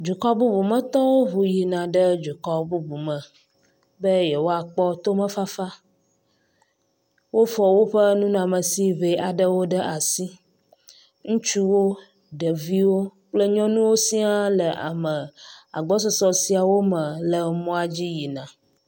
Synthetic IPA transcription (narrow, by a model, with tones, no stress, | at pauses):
d͡ʒu˨kɔ˦bu˦bu˨mə̃˨t̪ɔ˦wo˦βu˨ji˨nã˨ɖə˦d͡ʒu˨kɔ˦bu˦bu˨mə̃˨ | bə˦jɛ˨wo˦a˨k͡pɔ˦t̪o˦mə̃˦fa˦fa˦ | wo˦fɔ˨wo˦ɸə˦nũ˦n˨ã˨mə̃˨si˦ve˨a˨ɖə˦wo˦ɖə˦ʔa˨si˦ | ŋũ˦t͡ʃu˦wo˦ | ɖə˨vi˦wo˦k͡plə˦ɲɔ̃˦nũ˦wo˦si˦a˦lə˨ʔa̰˨mə̃˨a̰˨ɡ͡bɔ˦s̬ɔ˦sɔ˨si˨a˨wo˦mə̃˨lə˨mɔ̃˦a˨d͡ʑi˦ji˨nã˨